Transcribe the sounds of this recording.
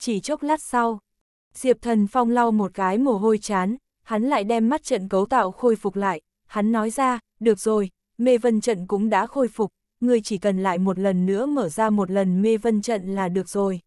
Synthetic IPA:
t͡ɕi˧˩t͡ɕo˦˥k͡p̚la˦˥t̚sa˧w | z̥i˨˩əp̚t̪ʰə˨˩nfa˧wŋ͡mla˧wmo˨˩t̚kaː˨˦jmo˨˩ɦo˧jt͡ɕaː˨˦n | ha˨˦nla̰ː˧˨jɗɛ˧mːa˦˥t̚t͡ɕə̰˧˨nkə˨˦wt̪a̰ː˧˨wxo˧jfʊ˨˩k͡p̚la̰ː˧˨jʔ | ha˨˦nːɔ˨˦jzaː˧ | ɗɨ˨˩ək̚zo˨˩j | me˧və˧nt͡ɕə̰˧˨nkʊ̰˧˥ŋ͡mɗa̰ː˧˥xo˧jfʊ˨˩k͡p̚ | ŋɨ˨˩əjt͡ɕi˧˩kə˨˩nla̰ː˧˨jmo˨˩t̚lə˨˩nːɨ̰˧˥əməː˧˩zaː˧mo˨˩t̚lə˨˩nme˧və˧nt͡ɕə̰˧˨nlaː˨˩ɗɨ˨˩ək̚zo˨˩j

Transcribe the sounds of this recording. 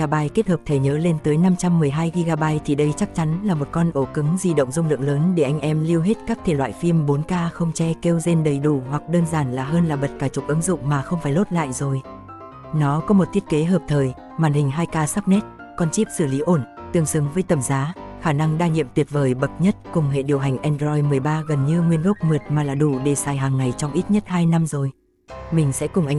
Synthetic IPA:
aː˧ɓaː˧jke˦˥t̚həː˨˩p̚t̪ʰe˨˩ɲəː˨˦le˧nt̪əː˨˦jna˧mt͡ɕa˧mːɨ˨˩əjɦaː˧jɣi˧ɣaː˧ɓaː˧jt̪ʰi˨˩ɗə˧jt͡ɕa˦˥k̚t͡ɕa˨˦nlaː˨˩mo˨˩t̚kɔ˧nʔo˧˩kɨ˨˦ŋzi˧ɗə̰˧˨wŋ͡mzʊ˧ŋ͡mlɨ̰˧˨əŋləː˨˦nɗe˧˩ʔa˧jŋ̟ʔɛ˧mli˧əwɦe˦˥t̚kaː˦˥k̚t̪ʰe˧˩lwa̰ː˧˨jfi˧əmɓo˨˦nkaː˧xə˧wŋ͡mt͡ɕɛ˧ke˧wze˧nɗə˨˩jɗu˧˩hwa˨˩k̚ɗəː˧nzaː˧˩nlaː˨˩ɦəː˧nlaː˨˩ɓə˨˩t̚kaː˧˩t͡ɕʊ˨˩k͡p̚ʔɨ˨˦ŋzʊ̰˧˨ŋ͡mmaː˨˩xə˧wŋ͡mfaː˧˩jlo˦˥t̚la̰ː˧˨jzo˨˩j | nɔ˨˦kɔ˨˦mo˨˩t̚t̪ʰi˦˥ət̚ke˨˦ɦəː˨˩p̚t̪ʰəː˨˩j | maː˨˩nhï˨˩ŋ̟ɦaː˧jkaː˧sa˦˥p̚nɛ˦˥t̚ | kɔ˧nt͡ɕi˦˥p̚sɨ˧˩li˨˦ʔo˧˩nt̪ɨ˨˩əŋsɨ˨˦əŋvəː˨˦jt̪ə˨˩mzaː˨˦xaː˧˩na˧ŋɗaː˧ɲḭ˧˨əmt̪wi˦˩əp̚vəː˨˩jɓə˨˩t̚ɲə˦˥t̚kʊ˨˩ŋ͡mhḛ˧˨ɗi˨˩əwɦa˨˩ŋ̟ʔɛ˧ndzɔ˧jmɨ˨˩əjɓaː˧ɣə˨˩nɲɨ˧ŋwi˧ənɣə˦˥wk͡p̚mɨ˨˩ət̚maː˨˩laː˨˩ɗu˧˩ɗe˧˩saː˨˩jɦaː˨˩ŋːa˨˩jt͡ɕɔ˧wŋ͡mʔi˦˥t̚ɲə˦˥t̚haː˧jna˧mzo˨˩j | mï˨˩ŋ̟sɛ̰˧˥kʊ˨˩ŋ͡mʔa˧

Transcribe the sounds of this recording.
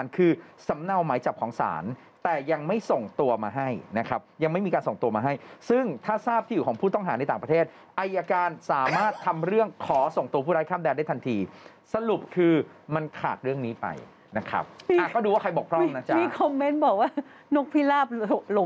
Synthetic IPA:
nkʰɯː˧sa˩˦mna˧wmaː˩˦jt͡ɕa˨˩p̚kʰɔː˩˦ŋsa̰ː˩˦n | t̪ɛː˨˩ja˧ŋma˥˩jso˨˩ŋt̪u˧ɐmaː˧ɦa˥˩jna˦˥kʰɾa˦˥p̚ja˧ŋma˥˩jmiː˧kaː˧nso˨˩ŋt̪u˧ɐmaː˧ɦa˥˩jsɯ˥˩ŋt̪ʰaː˥˩saː˥˩p̪̚ʰi˨˩wkʰɔː˩˦ŋpʰuː˥˩t̪ɔ˥˩ŋɦaː˩˦na˧jt̪aː˨˩ŋpɾa˧t̪ʰeː˥˩t̪̚ | ʔa˧jːaː˧kaː˧nsaː˩˦maː˥˩t̪ʰːa˧mɾɯ˥˩əŋkʰɔː˩˦so˨˩ŋt̪u˧pʰu˥˩ɾa˦jkʰaː˥˩mdɛː˧ndaː˥˩jt̪ʰa˧nt̪ʰiː˧ | sa˧lu˨˩p̚kʰɯː˧ma˧nkʰa̰ː˨˩t̪̚ɾɯ˥˩əŋniː˦˥pa̰˧j | na˦˥kʰa̰˦˥p̚ːʔa˩˨˩kɔː˥˩duː˧waː˥˩kʰa˧jbɔː˨˩pʰɾɔ˥˩mna˦˥t͡ɕa˦miː˧˥kʰɔ˧mːe˦˥nbɔː˨˩k̚waː˥˩ | no˦˥˩k̚pʰiː˥˩laː˥˩p̚o˧lo˧

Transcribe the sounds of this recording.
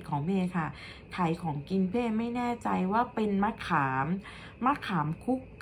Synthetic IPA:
kʰɔː˩˦ŋmeː˧kʰa˥˩ | t̪ʰa˨˩˦jkʰɔː˩˦ŋki˧npʰeː˥˩ma˥˩jnɛː˥˩t͡ɕa˧jwaː˥˩pe˧nma˦˥kʰaː˩˦mː | a˦˧˥kʰaː˩˦mkʰu˦˥kː

